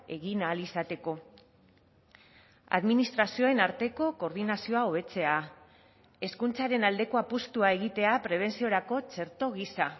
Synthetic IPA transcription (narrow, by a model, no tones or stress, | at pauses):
e̞ɣinaːlisat̪e̞ko̞ | a̰ðminist̪ɾasio̞e̞naɾt̪e̞ko̞ko̞ɾðinasio̞ao̞β̞e̞t͡se̞a | e̞skunt͡saɾe̞nald̪e̞ko̞apust̪uae̞ɣ̞it̪e̞apɾe̞β̞e̞nsio̞ɾako̞t͡ʃe̞ɾt̪o̞ɣ̞isa